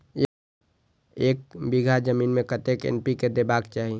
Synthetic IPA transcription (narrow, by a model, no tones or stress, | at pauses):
j | ek̚biɡʱad͡ʒəminmekət̪ekḛnpiked̪ebakt͡ʃaːɦi